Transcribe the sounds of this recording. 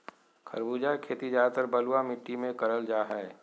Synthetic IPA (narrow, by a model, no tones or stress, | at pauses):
kʰə̰ɾbuːd͡ʒakʰeːt̪id͡ʒaːt̪əɾbəluamɪʈːimẽkəɾəld͡ʒaːɦɛː